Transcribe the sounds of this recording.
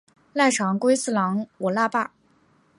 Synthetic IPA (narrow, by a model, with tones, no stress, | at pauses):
la˥˩ɪʈ͡ʂʰɑ˧˥ŋkwe˥ɪsɹ̩˥˩lɑ˧˥ŋwɔ˨˩la˥pa˥˩